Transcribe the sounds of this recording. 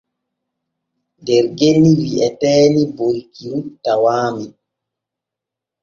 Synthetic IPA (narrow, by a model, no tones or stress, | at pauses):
dɛɾɡenːiwiʔɛtɛːnibolkiɾutawaːmi